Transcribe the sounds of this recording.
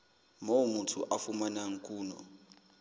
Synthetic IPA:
mowumutʰṵʔafumanaŋ̩kʼuːnɔ̰

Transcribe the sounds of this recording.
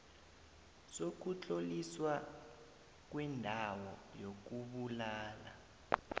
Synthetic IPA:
sok̬ut͡ɬʼoliswa | k̬wɛndʱawɔ̰jok̬uɓulaːla̰

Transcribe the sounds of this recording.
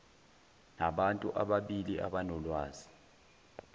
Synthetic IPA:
naɓantʼṵʔaɓaɓiliʔaɓanɔlwaːzi̥

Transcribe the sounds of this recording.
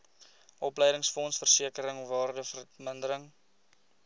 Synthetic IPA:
ʔɔpləjdəŋsfɔnsfərsiəkəɾəŋɔvɑːrdəfərməndəɾəŋ

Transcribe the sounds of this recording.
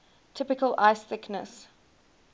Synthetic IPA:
tʰɪpɪkəlʔaɪsθɪknə̰s

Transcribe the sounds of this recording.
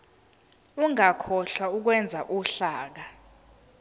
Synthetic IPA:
uŋakʰɔɬwauk̬wɛnd͡zʱa̰ʔuɬaːk̬a

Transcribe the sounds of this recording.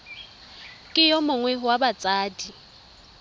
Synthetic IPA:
kʼɪjɔmʊŋwɛɦʊwabat͡sʼaːdi

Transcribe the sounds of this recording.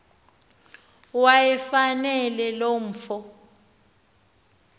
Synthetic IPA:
wajɛfanɛlɛlom̩ːfɔ

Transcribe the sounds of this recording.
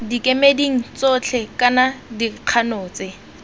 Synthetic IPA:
dikʼemediŋ̩t͡sot͡ɬʰɛkanadiq͡χʰanoːt͡sɪ

